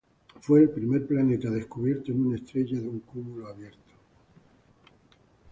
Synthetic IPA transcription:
fwe̞ːlpɾime̞ɾplane̞t̪aðe̞skuβje̞ɾt̪oenunest̪ɾe̞ʝaðeuŋkumuloaβje̞ɾt̪o̥

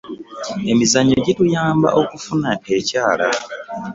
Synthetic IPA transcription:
e̞mizaɲoɟitujaːmba̰ʔo̞kufunaecaːla

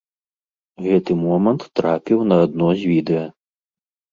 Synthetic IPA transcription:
ɣɛt̪ɨmɔmɐnt̪ːɾapʲiwnɐːd̪̚nɔzʲvʲid̪ɛjɐ

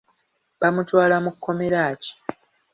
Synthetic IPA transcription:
bamutwaːlamukʰːo̞me̞ɾaːci̥

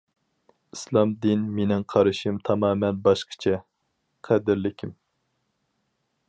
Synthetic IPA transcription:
islˠɑmd̪inmenɪŋqʰɑɾɨʃɨmt̪ʰɑmɑːmɛnbɑʃqʰə̥t͡ʃʰɛ | qʰæd̪ɪɾlɪkʲʰim

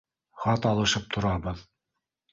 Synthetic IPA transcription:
χɑt̪ɑlˠɤ̆ʃɤp̚t̪ʰŏɾɑbɤð

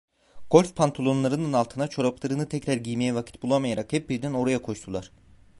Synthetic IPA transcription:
ɡ̥o̞lʲfpʰant̪ʰo̞lˠo̞nlˠaɾɯnɯnalˠt̪ʰɯnat͡ʃʰo̞ɾaplˠaɾɯnɯt̪ʰɛcɾæɾɟijmijɛvacʰit̪̚bulˠamajaɾakhɛp̚biɾd̪æno̞ɾajakʰo̞ʃt̪ʰulˠaɾ̥

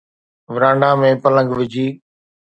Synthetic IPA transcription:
ʋɪɾãːɳɖãːmẽpɐlə̃ŋɡʋɪd͡ʑʱiː

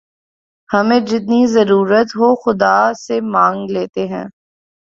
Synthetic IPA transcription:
hɐmẽd͡ʒɪt̪̚nizɐɾuːɾət̪ɦoxʊd̪asemãːŋɡleːt̪eɦɛ̰̃ː

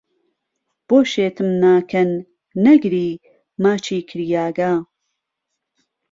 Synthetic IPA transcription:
b̥oːʃeːt̪ʰɨmnaːkʰɐnː | ɐɡɾiː | maːt͡ʃʰiːkʰɨɾjaːɡaː

